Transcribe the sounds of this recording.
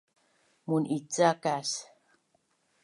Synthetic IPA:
munʔit͡sakas

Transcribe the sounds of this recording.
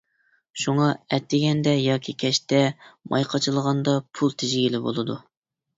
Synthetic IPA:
ʃuŋɑɛt̪ʰːɪɡʲɛnd̪ɛjɑːkʲʰikʲʰɛʃt̪ɛmʔɑ̰jqʰɑt͡ʃʰɨlˠəʁɑnd̪ɑpʰulˠt̪ʰɪʒɡʲilɪbolˠɨd̪u

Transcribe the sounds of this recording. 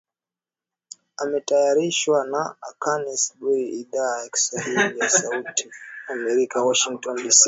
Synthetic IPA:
amɛtajaɾiʃwanaakanisubuɾiʔiðaːjaki̥swahilijasautʰiamɛɾikawaʃiŋktɔndisi

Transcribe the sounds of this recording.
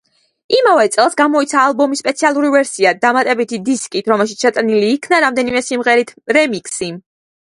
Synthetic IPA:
imavɛt̪sʼɛlˠsɡamɔit̪sʰaːlˠbɔmispʼɛt̪sʰialˠuɾivɛɾsiad̪amat̪ʼɛbit̪ʰid̪iskʼit̪ʰɾɔmɛlˠʃit̪ʃɛt̪ʼniliːkʰnaɾamd̪ɛnimɛsimʁɛɾit̪ʰɾɛmikʰsi

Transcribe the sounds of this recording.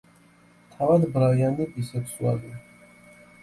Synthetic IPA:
t̪ʰavad̪bɾaianiʔʼisɛt̪sʰua̰li

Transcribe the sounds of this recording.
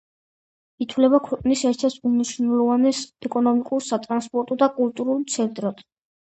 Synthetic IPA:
it̪ʰwlɛbakʰwɛqʼnisɛɾt̪ʰɛɾt̪ʰuniʃnɛlˠɔvanɛsɛkʼɔnɔmikʼuɾsat̪ʼɾanspʼɔɾt̪ʼɔd̪akʼult̪ʼuɾulˠmt̪sʰɛnt̪ʼɾɔt̪

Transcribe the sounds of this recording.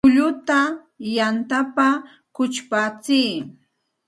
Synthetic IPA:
ʊʎʊt̪a | jant̪apa | kʊt͡ʃpat͡siː

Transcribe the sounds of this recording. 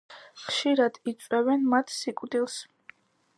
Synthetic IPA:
χʃiɾad̪̥it̪sʼwɛvɛnmat̪ʰsikʼd̪ilˠs

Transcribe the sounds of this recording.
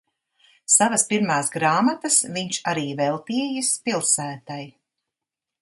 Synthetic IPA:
savɐspiɾmaːsɡɾaːmat̪ɐsviɲt͡ʃaɾiːvɛlˠt̪iɛjɨspilˠsæːt̪aj

